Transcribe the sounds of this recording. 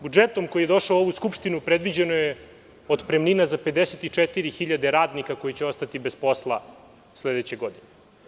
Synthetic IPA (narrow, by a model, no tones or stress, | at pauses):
bud͡ʒet̪o̞mko̞jijed̪o̞ʃaoo̞ʋuskupʂt̪inupɾed̪ʋid͡ʑe̞noje | od̪pɾemninazape̞d̪eset̪it͡ʂɛt̪iɾixiʎad̪e̞ɾaːd̪nikako̞jit͡ɕeo̞st̪at̪ibespo̞slˠa | sled̪et͡ɕeɡo̞d̪ine